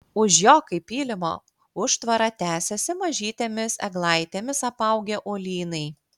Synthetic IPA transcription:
ʊʃjoːkɐɪpʲiːlʲɪmo̰ː | ʊʃt̪ʋɐɾɐt̪ʲæːsʲɛsʲɪmɐʒʲiːt̪ʲemʲɪsɛɡlˠɐɪt̪ʲeːmʲɪsɐpɐʊɡʲeʔoːlʲiːnɐɪ

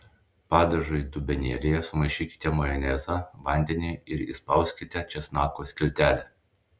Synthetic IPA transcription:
pɑːd̪ʲɐʒoid̪ʊbʲɛnʲiɛlʲɪjɛsʊmɐɪʃʲiːkʲɪ̥t̪ʲɛmɔjɛnʲɛzɑʋɐnʲd̪ʲɛnʲɛɪɪɾḭspɐˑʊsʲkʲɪt̪ʲɛt͡ʃʲɛsnɑːkoːsʲkʲɪlʲt̪ʲæːlʲɛ

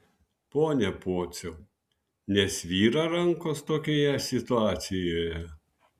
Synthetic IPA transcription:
poːnʲɛpoːt̪sʲɛʊ | nʲɛsʋʲiːɾɐɾɐŋkoːst̪oːkʲoːjɛsʲɪt̪ʊɑːt̪sʲɪjoːjɛ

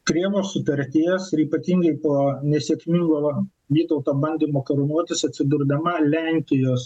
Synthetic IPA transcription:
kɾʲiɛʋoːssʊt̪ɐɾʲt̪ʲiɛsɪɾiːpɐt̪ʲiŋɡɐɪpoːnʲɛsʲiɛkmʲiŋɡoː | ʋʲiːt̪ɐʊt̪oːbɐnʲd̪ʲiːmoːkɐɾʊnuɔt̪ʲɪsɐt̪ʲsʲɪd̪ʊɾd̪ɐmɐlʲɛŋʲkʲɪjoːs

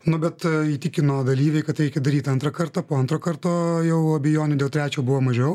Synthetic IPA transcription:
nʊbʲɛt̪iːt̪ʲɪkʲɪnoːd̪ɐlʲiːʋʲɛɪkɐt̪ɾʲɛɪkʲɛd̪ɐɾʲiːt̪ɐnt̪ɾɐkɐɾt̪ɐːpoːɐnt̪ɾoːkɐɾt̪oːjɛʊɐbʲɛjoːnʲɛd̪ʲeːlˠt̪ʲɾʲæːt͡ʃʲoːbʊʋoːmɐʒʲɛʊ

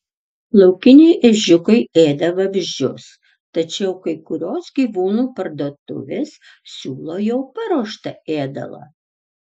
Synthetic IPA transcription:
lˠɒʊkʲɪnʲɛɪʔɛʒʲʊkɐɪeːd̪ɐʋɐʋʲɪʒʲd͡ʒʲʊ̰s | t̪ɐt͡ʃʲɛʊkɐɪkʊɾʲoːsɡʲiːʋuːnuːpɐɾd̪oːt̪ʊ̰ʋʲessʲuːlˠoːjɛʊpɐɾuːʃt̪ɐeːd̪ɐ̰lˠɐ̰

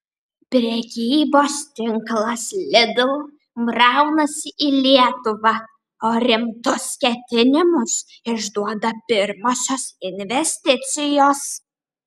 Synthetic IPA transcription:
pʲɾʲɛkʲiːboːst̪ʲɪŋklˠɐslʲɪd̪ʊlˠ | mɾɑʊnɐsʲɪʔiːlʲiɛt̪ʊʋɐ | oːɾʲɪmt̪ʊskʲɛt̪ʲɪnʲɪmʊs | ɪʒd̪uɔd̪ɐpʲɪɾmoːsʲoːsɪnʲʋʲɛsʲt̪ʲɪt̪sʲɪjoːs

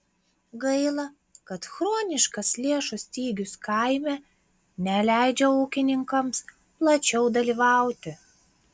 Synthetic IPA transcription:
ɡɐɪlˠɐ | kɐt̪xɾoːnʲɪʃkɐslʲeɛʃʊsʲt̪ʲiːɡʲʊskɐɪmʲɛ | nʲɛlʲæɪd͡ʒʲɛuːkʲɪnʲɪŋkɐms | plˠɐt͡ʃʲɛʊd̪ɐlʲiːʋɑˑʊt̪ʲɪ

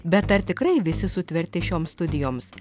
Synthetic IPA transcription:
bʲɛt̪ɐɾt̪ʲɪkɾɐɪʋʲɪsʲɪsʊt̪ʲʋʲɛɾʲt̪ʲɪʃʲoːmst̪ʊd̪ʲɪjoːms

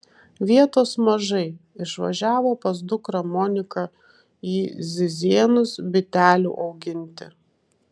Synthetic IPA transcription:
ʋʲiɛt̪oːsmɐʒɐɪɪʃʋɐ̰ʒʲæːʋoːpɐsd̪ʊkɾɐmɔːnʲɪkɐ | iːzʲɪzʲiɛnʊsbʲɪt̪ʲæːlʲṵːʔɒʊɡʲɪnʲt̪ʲɪ̰

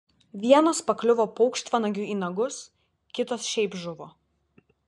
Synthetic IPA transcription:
ʋʲiɛnoːspɐklʲʊʋoːpɔʊkʃt̪ʋɐnɐɡʲʊiːnɐɡʊs | kʲɪt̪oːsʃʲɛɪbʒʊʋoː

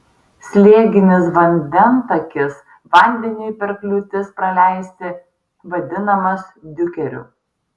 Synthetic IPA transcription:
sʲlʲeɛɡʲɪnʲɪs̬ʋɐnʲd̪ʲɛnt̪ɐkʲɪs | ʋɐˑnʲd̪ʲɛnʲɪɪpʲɛɾklʲut̪ʲɪspɾɐlʲæɪsʲt̪ʲɪ | ʋɐd̪ʲɪnɐmɐsd̪ʲʊkʲɛɾʲʊ̰

